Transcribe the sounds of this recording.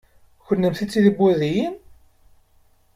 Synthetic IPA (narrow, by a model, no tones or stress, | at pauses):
çənːəmθit͡sːiðibːæðijin